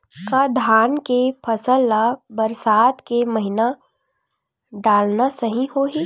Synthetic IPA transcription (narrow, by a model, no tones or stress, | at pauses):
kad̪ʱaːnkepʰɐsəlːabɐɾsaːt̪kemɐɦɪna | ɖaːlnasɐɦĩɦoːɦi